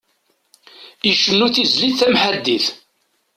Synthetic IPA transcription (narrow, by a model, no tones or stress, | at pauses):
iʃənːuθizlid̪θæmħad̪ːiθ